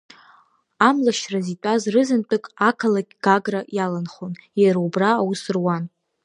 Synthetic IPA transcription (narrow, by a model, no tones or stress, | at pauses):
amlaʃrazitʼazrɨzɨnt͡pʷʼɨkʼakʰalakʲʼɡ̥aɡrajalanχonjaɾaubraːwʊsɨrwan